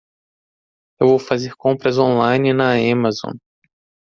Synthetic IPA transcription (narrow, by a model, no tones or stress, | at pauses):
ewvowfazeɾkõpɾɐzõlajnɪnɐamazõ̰